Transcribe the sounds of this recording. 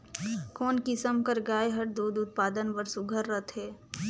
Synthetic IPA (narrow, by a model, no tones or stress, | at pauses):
koːnkisəmkəɾɡaːeɦəʈd̪uːd̪ʊt̪̚paːd̪ənpəɾsʊɡʱəɾːət̪ɦɛː